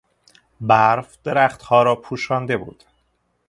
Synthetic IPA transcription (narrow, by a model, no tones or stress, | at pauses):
bæɾfd̪̥eɾæχt̪hɒːɾɒːpʰuːʃɒːnd̪e̞bṵːd̪̥